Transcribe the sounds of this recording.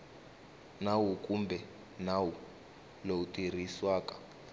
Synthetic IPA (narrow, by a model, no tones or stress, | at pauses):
nawukʼumbʱɛ | nawu | loutʼir̤iswaːkʼḁ